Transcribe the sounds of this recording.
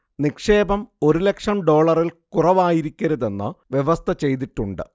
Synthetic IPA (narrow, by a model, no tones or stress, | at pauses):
nikʂe̞ːbɐmo̞ɾule̞kʂɐmɖo̞ːɭɐrilkurɐʋaːjiɾikʲːɐɾɐðe̞nːɨ̰ʋjeʋɐst̪ʰɐt͡ɕe̞jt̪̬iʈːuɳɖɨ̰